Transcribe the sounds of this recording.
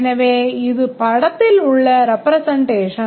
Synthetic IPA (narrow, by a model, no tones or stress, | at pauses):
nɐʋeːiðɨpɐɽɐt̪ːiluɭːɐɾepːɾɐsɐɳɖeːʂɐ